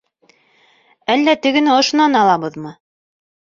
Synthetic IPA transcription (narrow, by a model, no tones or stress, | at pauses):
ælːæt̪ɘ̆ɡɘ̆næŏʃŏnɑnɑlˠɑβɤðmɤ